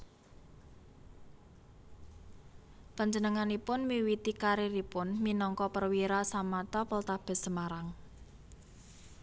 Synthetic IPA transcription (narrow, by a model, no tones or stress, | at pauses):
paɲd͡ʒənəŋanipʊnmiwit̪ikaɾiɾipʊnminɔŋkɔpərwiɾasamat̪ɔpəlt̪ab̥ɛ̤səmaɾaŋ